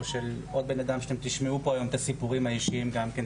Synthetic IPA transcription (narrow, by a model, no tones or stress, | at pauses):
ʃe̞lo̞d̪̚be̞nad̪amʃeemt̪iʃmeupo̞ajo̞met̪asipuʁimhaiʃiimɡamken